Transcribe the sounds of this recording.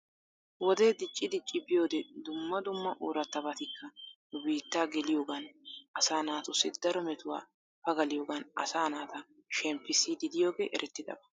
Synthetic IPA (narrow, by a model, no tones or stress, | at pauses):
wɔd̪eːd̪ɪt͡ʃʼːɪd̪ɪt͡ʃʼːɪbɪjo̞ːd̪ɛd̪ʊmːɐd̪ʊmːɐʔoːɾɐt̪ːɐbɐt̪ɪkʰːɐnʊbiːt̪ːaːɡɛlɪjo̞ːɡɐnʔɐsaːnaːt̪ʊsːɪd̪ɐɾɔmɛt̪ʊwa̰ː | pɐɡɐlɪjo̞ːɡɐnɐ̰saːnaːt̪ɐ | ʃɛmpːɪsid̪ɪd̪ɪjo̞ːɡeːʔɛɾʔɛt̪ːɪd̪ɐ̰bɐ